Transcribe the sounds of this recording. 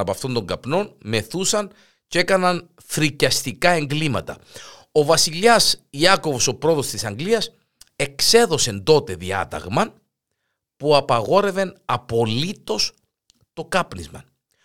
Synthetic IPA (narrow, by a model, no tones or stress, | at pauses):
ɐpɐft̪o̞nd̪o̞ŋɡɐpno̞nme̞θusɐn | ce̞kɐnɐn | θɾicɐst̪ikɐe̞ŋɡlimɐt̪ɐ̰ | o̞vɐsiʎɐsiɐko̞vo̞so̞pɾo̞t̪o̞st̪isɐŋɡliɐs | e̞kse̞ðo̞se̞nd̪o̞t̪e̞ðiɐ̰t̪ɐ̰ɣmɐ | puɐpɐɣo̞ɾe̞ve̞nɐpo̞lit̪o̞s | t̪o̞kɐpnizmɐn